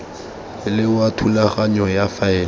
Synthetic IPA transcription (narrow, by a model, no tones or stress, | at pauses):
ɪlɪwatʰulaχaɲɔjafaɛː